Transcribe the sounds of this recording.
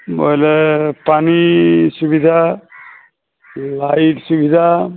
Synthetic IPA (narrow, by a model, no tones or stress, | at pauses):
mo̰jlepanisubid̪ʱa | lajʈsubid̪ʱa